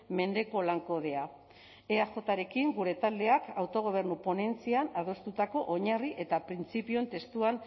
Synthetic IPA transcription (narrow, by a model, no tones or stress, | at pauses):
me̞nd̪e̞ko̞laŋko̞ð̞e̞a | eaxo̞t̪aɾe̞kiŋɡuɾe̞t̪ald̪e̞akawt̪o̞ɣ̞o̞β̞e̞rnupo̞ne̞nt͡sianað̞o̞st̪ut̪ako̞ʔoɲariʔe̞t̪apɾint͡sipio̞nt̪e̞st̪uan